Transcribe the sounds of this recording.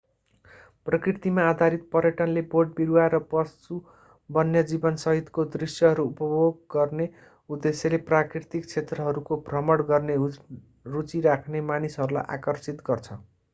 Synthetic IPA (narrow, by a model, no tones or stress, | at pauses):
prʌkrirt̪imaːd̪ʱaɾit̪̚pʌɾjʌʈʌnleboɖ̚biɾuaɾʌpʌstu | bʌnjʌd͡zibʌnsʌɦit̪kod̪risjʌɦʌɾuupʌbʱoɡ̚ɡʌrne | ud̪esjeleprakrit̪ik̚t͡sʰet̪rʌɦʌɾukoprʌmʌɽɡʌrne | rut͡siɾakʰnemanisɦʌɾula̰jʔa̰kʌrt͡sit̪ɡʌrt͡sʰʌ